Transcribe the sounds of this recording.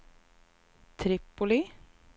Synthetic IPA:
t̪ʰɾɪpːʊlɪ

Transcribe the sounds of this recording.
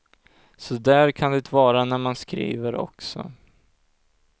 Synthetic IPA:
sɔd̪æɾkʰand̪ɛt̪ʰvɑːɾanæɾmanskɾḭːvəɾɔ̰ksɔ̰

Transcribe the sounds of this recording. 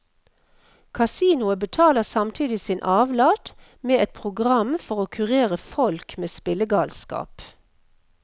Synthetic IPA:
kʰɑsiːnʊəbət̪ʰɑːləʁsɑmt̪ʰiːd̪ɪsiːnʔɑːʋlɑːʈ̪ | meːɛt̪̚pʰʁʊɡʁɑmfɔʁoːkʰʉʁeːʁəfɔlkmeːspɪləɡɑːlskɑ̰ːp

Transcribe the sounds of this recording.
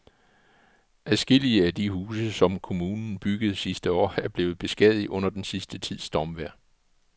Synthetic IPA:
ʔæsɡ̥e̝l̰iəæd̥ihuːsəsɒ̽mkʰo̝muːnn̩b̥yɡ̥əð̞̩ˠsisd̥əɒ̰ːæɐb̥le̝ːð̩ˠb̥e̝sɡ̥ɛð̰ˠiʔɔ̽n̰ɐd̥ensisd̥ət͡sʰið̞̰ˠsd̥ɒmʋæɐ̰

